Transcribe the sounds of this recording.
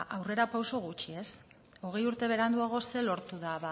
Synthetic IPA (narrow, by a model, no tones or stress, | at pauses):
ʔawre̞ɾapawso̞ɣ̞ut͡ʃie̞s | o̞ɣe̞juɾt̪e̞β̞e̞ɾand̪uaɣ̞o̞se̞lo̞ɾt̪uðaβa